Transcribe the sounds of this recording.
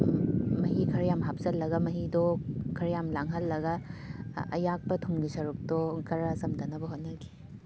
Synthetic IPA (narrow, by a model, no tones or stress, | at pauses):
mɐɦikʰɐɾjamɦap̚sɐlːɐɡɐmɐɦidokʰɐɾjamlaŋɦɐlːɐɡɐ | ɐ̰jak̚pɐtʰumɡisɐɾuk̚tokʰɐɾɐsɐmdɐnɐbɐɦot̚nɐɡi̥